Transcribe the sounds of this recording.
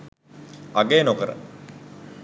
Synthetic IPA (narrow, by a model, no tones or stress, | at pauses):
aɡeːnokəɾə̰